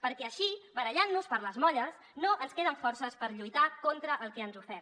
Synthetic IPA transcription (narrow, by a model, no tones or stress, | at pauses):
pəɾkɛəʃiβəɾəʎanːuspəɾləzmɔʎəs | noʔənskeð̞əɱfɔɾsəspəɾʎujt̪akont̪ɾəʔːlˠkɛənzufɛɾt̪